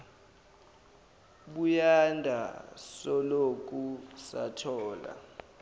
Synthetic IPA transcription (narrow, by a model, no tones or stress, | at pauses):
ɓujandʱasɔlok̬ʼusatʰɔːla̰